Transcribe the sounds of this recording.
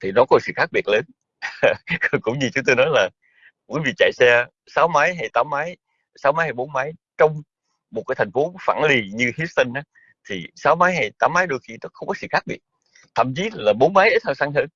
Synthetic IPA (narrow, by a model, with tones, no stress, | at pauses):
t̪ʰi˨˩nɔ˨˦kɔ˧˦˩sɨ̰˧˨xaː˦˥k̚ɓi˨˩ət̚ləː˨˦n | kkʊ̰˧˥ŋ͡mɲɨ˧t͡ɕʊ˨˦ŋ͡mt̪o˧jnɔ˨˦jlaː˨˩ | və˨˦jvḭ˨˩t͡ɕa̰˧˨jsɛ˧ | saː˨˦wmaː˨˦jɦa˧jt̪aː˨˦mːaː˨˦j | saː˨˦wmaː˨˦jha˧˩jɓo˨˦nmaː˨˦jt͡ɕɔ˧wŋ͡m | mo˨˩t̚aː˨˦jt̪ʰa˨˩jŋfo˨˦fa̰ː˧˩nli˨˩ɲɨ˧hi˦˥st̪i˧ŋʔa˨˦ | t̪ʰi˨˩saː˨˦wmaː˨˦jɦa˨˩jt̪aː˨˦mːaː˨˦jɗo˧jki˧nɔ˨˦xə˧wŋ͡mkɔ˨˦sɨ̰˧˨xaː˦˥k̚ɓi˨˩ət̚ | t̪ʰə̰ː˧˨˩mt͡ɕi˨˦laː˨˩ɓo˨˦nmaː˨˦jʔəː˨˦t̪ʰa˧wsaː˧ŋɦəː˧n